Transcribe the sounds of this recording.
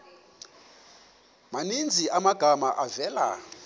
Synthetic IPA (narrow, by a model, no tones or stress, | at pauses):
manind͡zʱiʔamaɡ̥ʱamaʔavɛla̰